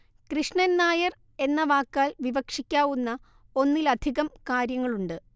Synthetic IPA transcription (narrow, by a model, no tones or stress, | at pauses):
krɨʂɳɐnnaːjɐr | e̞nːɐʋaːkːaːlʋiʋɐkʂikʲːaːʋunːɐ | o̞nːilɐd̪ʱiɣɐmkaːɾjɐŋːɐɭuɳɖɨ